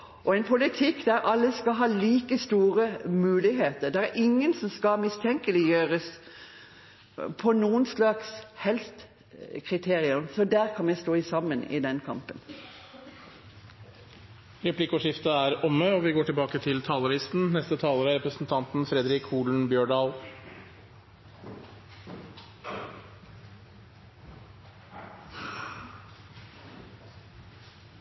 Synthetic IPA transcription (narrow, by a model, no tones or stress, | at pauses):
ʔɔɛnpʰʊlɪt̪ʰɪkːd̪æɾʔɑlːəskɑɦɑːliːkəst̪uːʁəmʉːlɪɦeːt̪əʁd̪ɛæɾʔɪŋːənsɔmskɑmɪst̪ʰɛŋkəlɪjøːʁəs | pʰɔnuːənslɑkshɛlst̪ | kʰʁɪt̪ʰeːʁɪʉmsɔd̪æʁkʰɑnʋɛɪst̪oːɪsɑmːənɪ̰d̪ɛnkʰɑ̰mpən | ɾɛpʰlɪkʊʂɪft̪əæːɾɔməɔːʋɪɡoːʈʰɪlbɑːkət̪ʰɪlt̪ʰɑːləɭɪst̪n̩nɛst̪ət̪ʰɑːləɾəɾɛpɾəsn̩t̪ʰɑnt̪n̩fɾɛd̪ɾɪkʰuːlɳ̩bjøːɖɑːl